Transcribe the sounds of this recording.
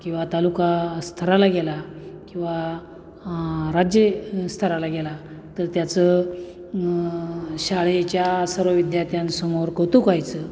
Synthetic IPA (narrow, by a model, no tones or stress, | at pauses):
kĩw̃ʋat̪alukast̪ʰəɾalaɡelakĩw̃ʋa | ɾad͡ʑjest̪ʰəɾalaɡela | t̪əɾt̪jat͡sə | ɕaɭet͡ɕjasəɾʋəʋid̪jat̪jansəmoɾkət̪ukajt͡sə